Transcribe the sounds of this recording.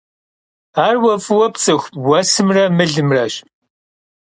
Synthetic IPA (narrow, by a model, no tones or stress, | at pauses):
aːrwɐfʼɨwɐpt͡sʼɨxʷwɐsɨmrɐmɨɮɨmrɐɕ